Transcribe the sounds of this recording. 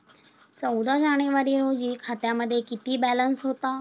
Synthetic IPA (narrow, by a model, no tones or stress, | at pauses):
t͡ɕɐud̪azaːɽ̃eʋəɾiɾoːd͡ʑiːkʰaːt̪jaməd̪ʱjekɪt̪ibɛːlənsɦoːt̪aː